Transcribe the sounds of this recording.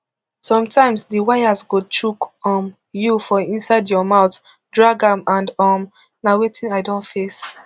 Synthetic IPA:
sɔ̃mtʰãɪ̃msdiwajasɡot͡ʃukɔm | jufɔĩnsaɪdjɔmaʊt | dɹaɡãmãndɔm | nawetʰĩnaɪdõntfes

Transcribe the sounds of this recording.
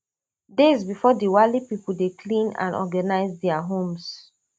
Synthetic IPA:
dezbifɔdiwalipipul̩dekʰlĩnã̰nɔ̰ɡanaɪzdɛaɦõms

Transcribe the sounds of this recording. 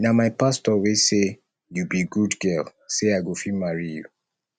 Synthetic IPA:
namaɪpastɔwese | jubiɡudɡɛlseaɪɡofimaɹijṵ

